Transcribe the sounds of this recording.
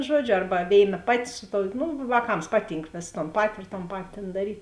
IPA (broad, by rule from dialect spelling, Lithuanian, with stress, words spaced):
ˈʒuɔd͡ʒʲʊ ˈɐrbɐ ˈʋʲeːɪˌnɐ ˈpɑːˌtʲɪ ˈsʊ ˌtoːʊ ˈnʊ ʋɑːˈkɐms ˈpɑːˌtʲiːŋk ʋʲeːs toːn ˈpɑːtʲɪ ɪr toːn ˈpɑːtʲɪ tʲeːn dɐˈrʲiːtʲ